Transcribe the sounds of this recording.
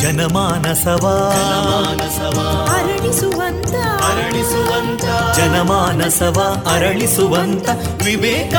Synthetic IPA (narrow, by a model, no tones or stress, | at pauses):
d͡ʒɐnɐmaːnɐsɐʋaːd͡ʒnɐaːnɐsɐʋaɐɾɐɭisuʋɐnt̪ɐɾɐɭisuʋɐnt̪ɐd͡ʒɐnɐmaːnɐsɐʋaːɐɾɐɭisuʋɐnt̪ɐ | ʋibeːkɐ